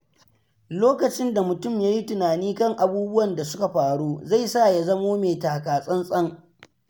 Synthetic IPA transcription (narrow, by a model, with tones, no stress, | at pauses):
loː˦kɐ˨t͡ʃɪ˦nda˨mʊ˨tʊ˦˨mja˦ji˦tɪ˨naː˨niː˦kɐ˦ŋʔa˨buː˦bʊ˦wɐ˨nda˨sʊ˦ka˨ɸaː˨ɽuː˦za˦˨jsa˦˨ja˦zɐ˦moː˦me˨taː˨kaː˨sʼɐ˦nsʼɐ˦ŋ